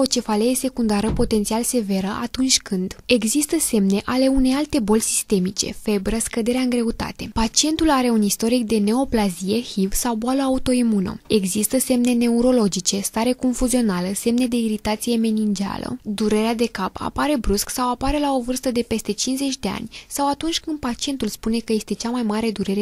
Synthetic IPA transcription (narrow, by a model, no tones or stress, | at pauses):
o̞t͡ʃe̞faleese̞kund̪aɾəpo̞t̪e̞nt̪sialse̞ve̞ɾəʔat̪unt͡ʃʲkɨnd̪e̞ɡzist̪əse̞mne̞ʔale̞une̞jalt̪e̞bo̞lʲsist̪e̞mit͡ʃe̞̰fe̞bɾəskəd̪e̞ɾeaɨŋɡɾe̞ut̪a̰t̪e̞pat͡ʃie̞nt̪ulaɾe̞unist̪o̞ɾik̚d̪e̞neo̞plazije̞hivsawbualəaut̪o̞imuno̰eɡzist̪əse̞mne̞ne̞uɾo̞lo̞d͡ʒit͡ʃe̞st̪aɾe̞ko̞ɱfuzio̞naləse̞mne̞d̪e̞iɾit̪at̪sije̞me̞nind͡ʒa̰lə̰d̪uɾe̞ɾead̪e̞kapa̰paɾe̞bɾusksawapaɾe̞lao̞vɨrst̪əd̪e̞pe̞st̪e̞t͡ʃinze̞t͡ʃʲd̪e̞a̰nʲsawat̪unt͡ʃʲkɨnd̪̚pat͡ʃie̞nt̪ulspune̞kəje̞st̪e̞t͡ʃamajmaɾe̞d̪uɾe̞ɾe